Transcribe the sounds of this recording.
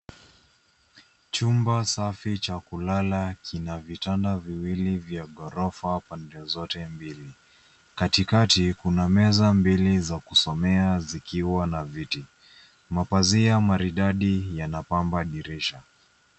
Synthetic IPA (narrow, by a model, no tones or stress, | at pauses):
t͡ʃumbasafit͡ʃakulalakʰinavitandaviwilivjaɠɔɾɔfapandɛzɔtɛmbili | katikatikunamɛzambilizakusɔmɛazikiwanaviti | mapaziamaɾiɗaɗijanapambaɗiɾiʃa